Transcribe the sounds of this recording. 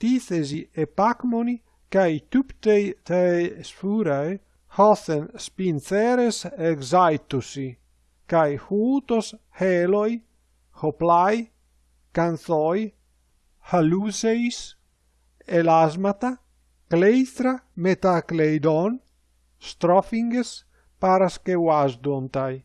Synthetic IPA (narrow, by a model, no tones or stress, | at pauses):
t̪iθeziepakmoni | kajt̪upt̪ejt̪ejsfuɾaj | hɔθenspinsɛɾeseɡzajt̪usi | kajhuut̪os | hɛloj | hoplaj | kanθoj | halusejs | elazmat̪a | klejst̪ɾamet̪aklejd̪ɔn | st̪ɾɔfiŋɡes | paɾaskewazd̪ont̪aj